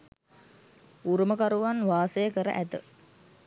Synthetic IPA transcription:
uɾuməkaɾuʋanʋaːsəjəkəɾə̰ʔæt̪ə̰

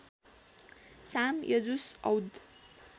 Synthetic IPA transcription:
samjʌd͡zusʌwd̪

